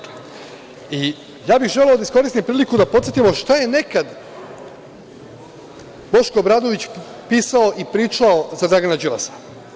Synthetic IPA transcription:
i | jaːbiɣʒe̞leo̞d̪aisko̞ɾist̪impɾiːlikud̪apo̞t̪set̪imoʃt̪aje̞nekad̪ | bo̞ʃkobɾaːd̪oʋit͡ɕ | piːsaoʔipɾiːt͡ʃaozad̪ɾaɡanad͡ʒila̰sḁ

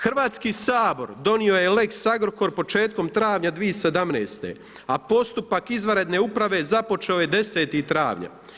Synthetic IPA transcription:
xrʋaːt̪skiːsaːbo̞̰ɾd̪o̞nio̞jele̞ksaɡɾoko̞ɾpo̞t͡ʃe̞ːt̪̚ko̞mt̪ɾaːʋɲad̪ʋiesed̪amneːst̪e̞̰ | apo̞st̪upakizʋaɾe̞d̪ne̞ːupɾaʋe̞zapo̞t͡ʃeojed̪e̞se̞ːt̪it̪ɾa̰ːʋɲa̰

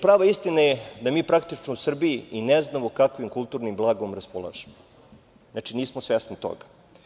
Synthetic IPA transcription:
pɾaːʋaist̪inajed̪amiːpɾakt̪it͡ʃnousr̩biiineznamokakʋimkulˠt̪uːɾnimblˠaːɡomɾaspolˠa̰ːʒemo | znat͡ʃiniːsmosʋesnit̪o̰ɡa

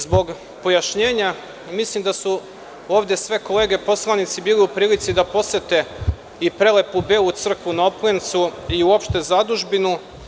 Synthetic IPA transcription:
zbo̞ɡ | po̞jaʃɲeːɲa | mislimd̪asu | o̞ːʋd̪e̞sʋe̞ko̞le̞ːɡepo̞slˠanit̪sibiːliupɾiːlit̪sid̪apo̞set̪e̞ | ipɾe̞le̞pubeːlut̪sr̩kʋunaoplent̪suiuo̞pʃt̪e̞zad̪uʒbinu

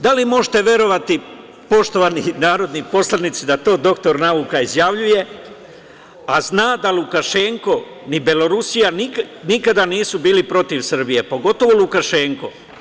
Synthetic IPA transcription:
d̪alimo̞ʒit̪e̞ʋje̞ɾo̞ʋat̪i | po̞ʃt̪o̞ʋaninaːɾo̞d̪nipo̞slˠanit̪sid̪at̪o̞ːd̪o̞kt̪o̞ɾnaukaizjaʋʎuje̞ | aznaːd̪alukaʃe̞ŋko̞ | nibelo̞ɾusijaniknikad̪aniːsubiːlipɾo̞t̪iʋsr̩bije̞po̞ɡo̞t̪o̞ʋo̞lukaʃe̞ːŋko̞

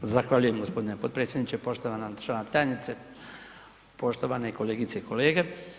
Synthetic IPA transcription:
zaxʋaʎuje̞mɡo̞spo̞d̪inepot̪pɾeːsʲjd̪nit͡ɕepo̞ʃt̪o̞ʋanaʃanat̪ajenit̪se | po̞ʃt̪o̞ʋaneiko̞le̞ːɡit̪seikʰo̞leːɡe

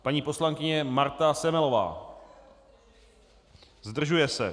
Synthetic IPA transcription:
paɲiːpo̞slaŋkɪɲɛmaɾt̪asɛmɛlo̞va̰ː | zd̪r̩ʒujɛsɛ̰

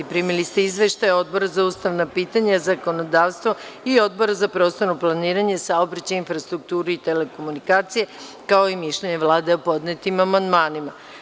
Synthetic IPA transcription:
ipɾimilist̪eizʋe̞ʃt̪ajo̞d̪̚bo̞ɾazauːst̪aʋnapiːt̪aɲazako̞no̞d̪aːʋst̪ʋo̞io̞d̪̚bo̞ɾazapɾo̞ːst̪oɾnoplˠaniːɾaɲe̞saobɾat͡ɕainfɾast̪ɾuk̚t̪uːɾeit̪ele̞ko̞munikaːt̪sije̞ | kaoimiʃʎeɲe̞ʋlˠaːd̪eopo̞d̪net̪imamand̪maːnima

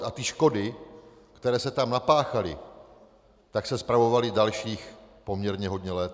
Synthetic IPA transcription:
at̪ɪʃko̞dɪ | kt̪ɛɾɛːsɛt̪amnapaːxalɪ̰ | t̪aksɛspɾavo̞valɪdalʃiːxpo̞mɲɛɾɲɛɦo̞d̪ɲɛlɛːt̪

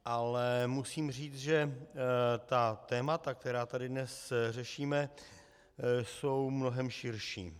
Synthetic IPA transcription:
ʔalɛmusiːmr̝iːt͡sʒɛ | t̪at̪ɛːmat̪ak̚t̪ɛɾaːt̪adɪdnɛsr̝ɛʃiːmɛ | so̞wmno̞ɦɛmʃɪɾʃḭː

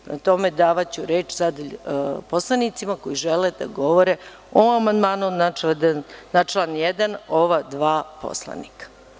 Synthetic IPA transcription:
na̰t̪o̞me̞d̪aːʋat͡ɕuɾeːt͡ʃsad̪po̞slˠanit̪simakojiʒeled̪̥a̰ɡo̞ʋoɾe | oamand̪maːnunad̪annat͡ʃlˠanjɛd̪anoʋad̪ʋaːpo̰slˠa̰nikḁ

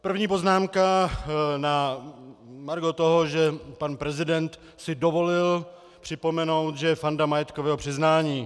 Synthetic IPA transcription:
pr̩vɲiːpo̞znaːmka | na | maɾɡot̪oɦoʒɛpanpɾɛzɪdɛnt̪ | sɪdovo̞lɪl | pr̝̥ɪpo̞mɛno̞wt̪ʒɛjɛfandamajɛt̪kovɛːɦopr̝̥ɪznaːɲiː

